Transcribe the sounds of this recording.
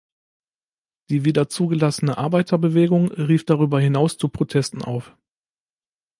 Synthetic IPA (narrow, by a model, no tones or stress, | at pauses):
d̥iːviːdɐt͡suːɡəlasənəʔaɐbaɪtʰɐbəveːɡʊŋʁiːfd̥aʁyːbɐhɪnaʊst͡supʁ̥otʰɛstn̩ʔa̰ʊf